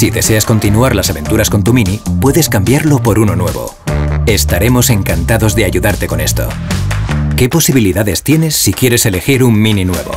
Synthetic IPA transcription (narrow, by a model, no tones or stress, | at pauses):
siðe̞se̞asko̞nt̪inuaɾlasaβe̞nt̪uɾasko̞nt̪uminipwe̞ðe̞skambjaɾlo̞po̞ɾuno̞nwe̞̰βo̞̰ | e̞st̪aɾe̞mo̞se̞ŋkant̪aðo̞zðe̞aʝuðaɾt̪e̞ko̞ne̞st̪o̞̰ | ke̞po̞siβ̞iliðaðe̞st̪je̞ne̞sːikje̞ɾe̞se̞le̞xiɾummininwe̞̰βo̞̰